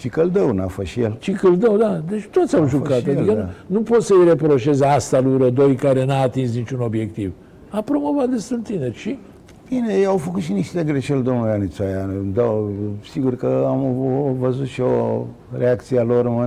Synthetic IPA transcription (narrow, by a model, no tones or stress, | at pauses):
t͡ʃikəld̪əwnafəʃijelt͡ʃikɨld̪əwd̪ad̪et͡ʃt̪o̞t̪sʲawʒukat̪ad̪ikənnupo̞t̪səjɾe̞pɾo̞ʃe̞zast̪aluɾəd̪o̞jkaɾe̞naːt̪ins̬nit͡ʃuno̞bje̞kt̪iv | apɾo̞mo̞vat̪̚d̪estɨnt̪ineʃi | minejawfəkut̪ʃiniʃt̪d̪eɡɾeʃeld̪omuɡanit͡swajad̪əwsiɡurkəamvəzut̪ʃo | ɾeakt̪sialoɾmə